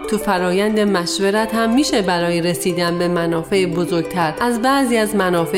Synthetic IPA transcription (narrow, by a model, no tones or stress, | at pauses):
t̪ʰufæɾɒːjænd̪emæʃveɾæt̪hæmːiːʃebæɾɒːjeɾesiːd̪ænbe̞mænɒːfe̞ʔbozo̞ɾɡ̥̚t̪ʰæɾʔæzbæʔziːæzmænɒːfe